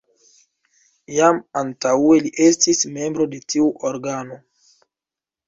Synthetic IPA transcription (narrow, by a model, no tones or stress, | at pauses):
jamantaue̞liʔestisme̞mbɾo̞de̞tiuʔoɾɡano